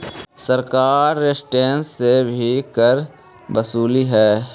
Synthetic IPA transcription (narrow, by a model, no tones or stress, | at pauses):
səɾkaːɾːesʈeːnsebʱikəɾ | bəsuːliɦɛː